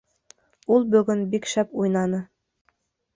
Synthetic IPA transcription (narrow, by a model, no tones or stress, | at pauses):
ulˠbɵ̆ɡɵnbikʃæpujnɑnɤ